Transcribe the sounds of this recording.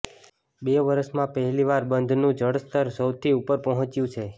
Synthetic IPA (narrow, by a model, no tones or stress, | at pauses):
beʋəɾəʃmãpəɦɛliʋaɾbənd̪ʱnũd͡ʒəɽst̪əɾsəwt̪ʰiupəɾpəɦɔ̃t͡ʃjũt͡ʃʰe